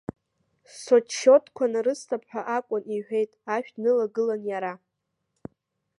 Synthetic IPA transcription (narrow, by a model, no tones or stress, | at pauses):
sot͡ʃʰːo̞tʰʼkʷʰanaɾɨstʰapʰħʷaʔakʷʼʊniħʷᶣe̞jtʼaʃᶣnɨlaɡɨlanjaɾa